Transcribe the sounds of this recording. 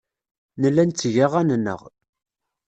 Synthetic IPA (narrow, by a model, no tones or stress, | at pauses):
nəlːænt͡sːʝaʁænnːə̰ʁ